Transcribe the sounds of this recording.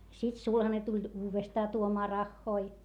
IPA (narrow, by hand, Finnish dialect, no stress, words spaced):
sit sulhɑne tulʲ uːʋestɑː tuomɑː rɑhːoi